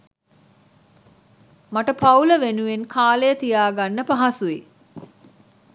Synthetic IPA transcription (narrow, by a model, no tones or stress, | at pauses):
maʈəpauləʋenuʋenkʰaːləjət̪ijaːɡanːəpaɦasuʋe